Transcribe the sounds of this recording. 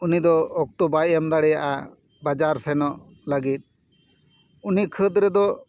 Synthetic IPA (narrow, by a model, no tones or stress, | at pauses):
unid̪ɔːk̚t̪ubajɛmd̪aɽɛjaʔa̰ | bad͡ʒaɾsɛnɔʔ | ləɡit̪̚ˀ | unikʰəd̪ɾɛd̪ɔ